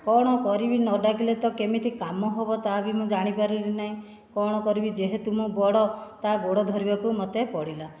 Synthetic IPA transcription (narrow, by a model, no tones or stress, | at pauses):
kɔɽ̃ɔkɔɾibinɔɖakʰilet̪ɔkemit̪ʰikamɔɦobɔt̪abimũd͡ʒaɽ̃ipaɾiɾinaɦĩ | kɔɽ̃ɔkɔɾibid͡ʒeɦet̪umũbɔɽɔt̪aɡoɽɔd̪ʱɔɾibakumɔt̪epɔɽila